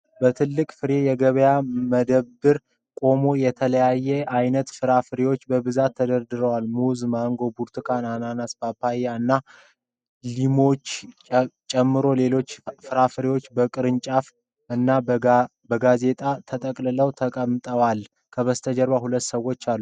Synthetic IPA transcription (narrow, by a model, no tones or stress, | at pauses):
bət̪ʰɨlːɨkʼfɨɾe̞jɛɡəβəjaməd̪əɨɾ | kʼo̞mo̞jɛt̪ʰələjajːɛʔajnət̪fɨɾafɨɾewo̞t͡ʃːbəbɨzat̪ʰːəd̪əɾd̪ɨɾəwalmuzmaŋɡo̞buɾt̪ʰɨkʰanananasbapʰːajaɨnːa | limo̞t͡ʃː | t͡ʃʼɛmːɨɾo̞le̞lo̞t͡ʃːfɨɾafɨɾewo̞t͡ʃːbəkʼɨɾɨnt͡ʃʼaf | ɨnːa | bəɡaze̞t̪ʼat̪ʰət̪ʼəkʼlɨləwt̪ʰəkʼəmt̪ʼəwal | kʰəβəst̪ʰəd͡ʒəɾβahulət̪ːsəwːo̞t͡ʃːalːu